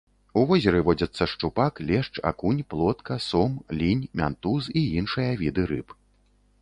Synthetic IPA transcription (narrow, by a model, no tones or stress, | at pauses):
uvɔzʲɐɾɨvɔd͡zʲɐt̪sːɐʂt͡ʂupaklʲɛʂt͡ʂa̰kunʲplˠɔt̪kɐsɔmlʲinʲmʲa̰nt̪usiinʂɨjɐvʲid̪ɨɾɨp